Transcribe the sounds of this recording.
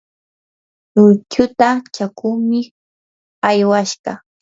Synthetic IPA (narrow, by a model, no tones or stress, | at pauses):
lʊt͡ʃʊt̪at͡ʃakʊŋmɪ | ajwaʃɢɑ